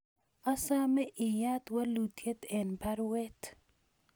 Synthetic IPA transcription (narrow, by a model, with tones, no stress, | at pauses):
a˦sa˦mɛ˦ʔɪ˨ja˦t̪wa˦lu˨t̪ʰje˦t̪ɛ˨npa˦ɾwɛt̪